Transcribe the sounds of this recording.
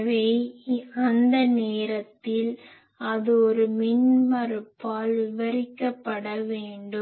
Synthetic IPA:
ʋeːɐnd̪ɐneːɾɐt̪ːɪl | ɐðɯɔɾɯmɪɳmɐɾɯpːaːlɪʋɐɾɪkːɐpːɐɽɐʋeːɳɖɯ

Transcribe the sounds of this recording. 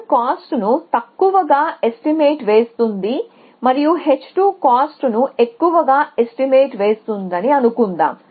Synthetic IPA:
kaːsʈnut̪ɐkːuʋɐɡaːe̞sʈime̞ːʈʋe̞ːst̪und̪i | mɐɾijuɦe̞t͡ʃːʈuːkaːsʈnue̞kːuʋɐɡaːesʈime̞ːʈʋe̞ːst̪und̪ɐniɐnukund̪a̰ːm

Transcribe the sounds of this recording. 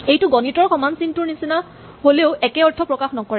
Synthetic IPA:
ejtʊɡɔnitɔɹxɔmansintʊɹnisina | ɦoleʊʔɛkɛɔɹtʰɔpɹɔkaxnɔkɔɹɛ

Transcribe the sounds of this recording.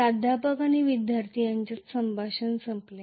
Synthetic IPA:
ad̪ʱapəkañiʋid̪jaɾt̪ʰijãɲt͡ɕatsəmbʱaɕənsəmple

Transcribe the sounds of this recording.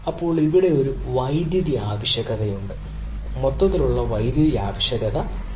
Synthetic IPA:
ɐpːo̞ːɭiʋiɽe̞oɾu | ʋɐjd̪jɐðiaːʋɐɕjɐɣɐðɐjuɳɖɨ | mot̪ːɐðiluɭːɐʋɐjd̪jɐðiaːʋɐɕɐɣɐðɐ

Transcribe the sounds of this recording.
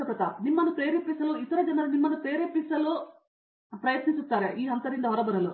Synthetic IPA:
ɐp̪ɐt̪animːɐnːupɾeːɾepisɐluit̪ɐɾɐd͡ʒɐnɐlunimːɐnːupeːɾepːisɐlu | pɾɐjɐt̪nisut̪ːaːɾeʔiːɦɐnt̪ɐɾind̪ɐɦɔɾɐbɐɾɐlu

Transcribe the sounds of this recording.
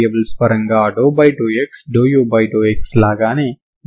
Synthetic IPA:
ebɐlspɐɾɐŋɡaːɖoːbajɖoːeksɖoːjoːbajɖoːekslaːɡaːne

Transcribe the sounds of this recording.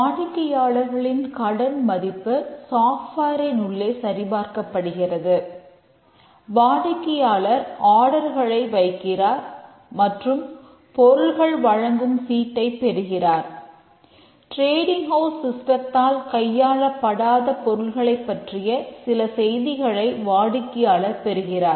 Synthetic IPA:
aːɳɪkːɪjaːɭɐɾɣɐɭɪnkɐɽɐnmɐðɪpːɯsaːfʈaːɾɐɪnʊɭːeːsɐɾɪbaːɾkɐpːɐɽɯɣɪrɐðɯ | ʋaːɳɪkːɪjaːɭɐɾaːɽɐɾɣɐɭɐɪʋɐɪkːɪraːɾ | mɐʈrɯm | pɔɾɯɭɣɐɭʋɐɻɐŋɡɯmfiːʈːɐɪpːɛɾɯɣɪraːɾ | ʈɾeːɽɪŋhoːsɪsʈɐt̪ːaːlkɐjːaːɭɐpːɐɽaːðɐpɔɾɯɭɣɐɭɐɪpːɐʈrɪjɐsɪlɐsɛjðɪɣɐɭɐɪʋaːɽɪkːɪjaːɭɐɾpɛɾɯɣɪraːɾ

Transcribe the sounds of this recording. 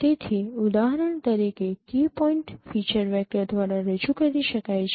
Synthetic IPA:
t̪et̪ʰiʊd̪aɦɾəɳt̪əɾikekipɔiɳʈfit͡ʃəɾʋɛk̚ʈəɾd̪ʋaɾaɾəd͡ʒukəɾiʃəkajt͡ʃʰ

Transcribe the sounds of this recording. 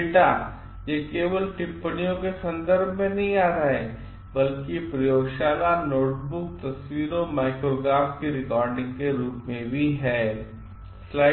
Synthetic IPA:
ʈa | jekeːʋəlʈɪpːəɽijõkesɐ̃nd̪əɾbʱmẽnɐɦĩaːɾaɦe | bɐlkipɾɐjoːɡʃaːlanoːʈbʊk̚t̪ɐswiːɾõmaːɪkɾoɡɾaːpkiɾɪkɔːɾɖɪ̃ŋɡkeɾuːpmẽbʱiɦɛː | sla

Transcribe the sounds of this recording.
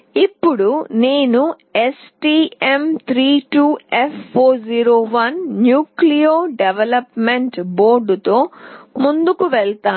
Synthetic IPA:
ipːuɽuneːnu | esʈiːemt̪ʰɾiːʈuːepʰpʰːoːɾd͡ʒiːɾoːʋɐnːjuːklijoːɖeʋelɐpmeɳʈbo̞ːɾɖut̪o̞ːmund̪ukuʋɛɭt̪aː

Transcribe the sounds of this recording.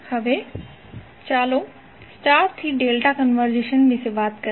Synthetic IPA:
hɐʋe | t͡ɕaːlo | sʈaːɾt̪ʰiɖeːlʈakɐnʋəɾd͡ʑeːʃənbʱɪsebaːt̪kɐ

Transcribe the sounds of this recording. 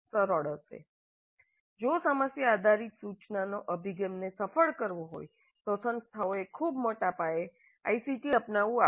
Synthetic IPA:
səɾɔɽəɾsḛ | d͡ʒosəməsjəːd̪ʱaɾit̪sut͡ʃnanoʔəbʱiɡemnesəfəɭkəɾʋoɦo̰j | t̪osənst̪ʰaoekʰubmoʈapae | a̰isiʈiəpnaʋũa

